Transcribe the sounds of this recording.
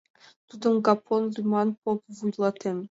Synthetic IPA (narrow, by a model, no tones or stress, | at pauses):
t̪ud̪əmɡapʰonlumɑnpopvujlˠɑt̪ʰɘm